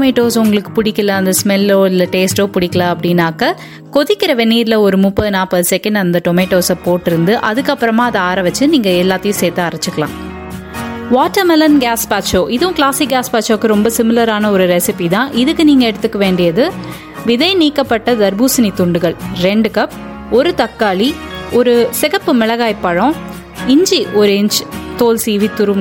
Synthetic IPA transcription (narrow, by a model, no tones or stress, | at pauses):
meːʈːoːsʊŋɡɐɭɯkːɯ̥pʊɽɪkːɐlɐɐnd̪ɐsmɛlːoːɪlɐʈeːsʈoːpʊɽɪkːɐlaːɐpːɐɽɪnːaːkɐ | kɔðɪkːɪɾɐʋɛnːiːɾɪlɐɔɾɯmʊpːɐðɯnaːpɐðɯsɛkːɐɳɖɐnd̪ɐʈɔmeːʈːoːsɐpoːʈːɪɾɯnd̪ɯʔɐðɯkːɐpːɯɾɐmãːɐðɐaːɾɐʋɐt͡ʃːɯniːŋɡɐɛlːaːt̪ːɐjʊ̃seːt̪ːɯɐɾɐt͡ʃːɯkːɐɭã̰ː | ʋaːʈːɐɾmɛlɐnɡaːspaːt͡ʃoːʔɪðɯʊ̃kɪɭaːsiɡaːspaːt͡ʃoːkːɯɾɔmbɐsɪmɪlɐɾaːnɐɔɾɯɾɛsɪpit̪ãːʔɪðɯkːɯniːŋɡɐɛɽɯt̪ːɯkːɐʋeːɳɖɪjɐðɯ | ʋɪðɐɪniːkːɐpːɐʈːɐd̪ɐɾbuːsɪnit̪ʊɳɖɯɣɐɭɾɛɳɖɯkɐp | ɔɾɯt̪ɐkːaːɭiɔɾɯsɪɣɐpːɯmɪɭɐɣaːjpːɐɻɔ̃ | ɪɲd͡ʒiʔɔɾɯɪɲd͡ʒt̪oːlsiːʋit̪ʊɾɯm